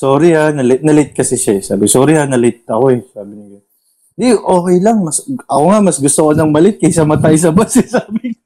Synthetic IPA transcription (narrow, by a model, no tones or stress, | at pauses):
soːɾɪhanɐlɪt̪̚nɐlɪt̪̚kɐsɛʃaɛsa̰ːbɪsoːɾɪanɐlɪt̪̚ɐko̞ɛsaːbɪɲɐjo | d̪iʔo̞ːkɛjlɐŋmɐsɐkoŋamɐsɡʊst̪okonɐŋmɐlɪt̪̚kɐjsɐmɐt̪ajs̬ɐbasɛsaːmɪŋ